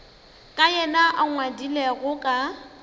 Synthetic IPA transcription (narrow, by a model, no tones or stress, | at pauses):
kʼajɛnaʔaŋwadilɛɣʊkʼa